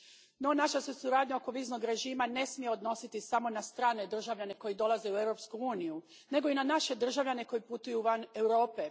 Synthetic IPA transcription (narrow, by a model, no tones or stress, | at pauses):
no̞naʃasesuɾaːd̪ɲao̞ko̞ʋiːzno̞ɡɾe̞ʒiːmane̞smije̞o̞d̪no̞sit̪isamo̞nast̪ɾaːne̞d̪r̩ʒaʋʎane̞ko̞jid̪o̞lˠaze̞ue̞ʋɾo̞pskuuːniju | ne̞ɡo̞inanaʃe̞d̪r̩ʒaʋʎane̞ko̞jput̪ujuʋane̞wɾo̞ːpe̞